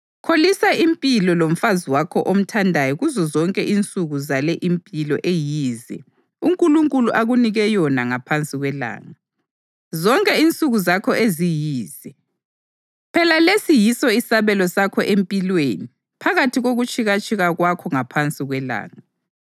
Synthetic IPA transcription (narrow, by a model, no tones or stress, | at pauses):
kʰolisaimpʼilɔlom̩faziwakʰɔʔom̩tʰandʱajɔɣuzɔzɔŋkʼɛʔint͡sʼuɣuzalɛʔimpʼilɔ̰ʔejiːzɛ̰ | uŋkʼuluŋkʼuluʔaɣuniɣɛjɔnaŋapʰant͡sʼiɣwɛla̰ːŋa | zɔŋkʼɛint͡sʼuɣuzakʰɔʔezijiːzɛ | pʰɛlalesijisɔisaβɛlɔsakʰɔʔempʼilweni | pʰaɣatʰiɣoɣut͡ʃʼiɣat͡ʃʼiɣaɣwakʰɔŋapʰant͡sʼiɣwɛla̰ːŋa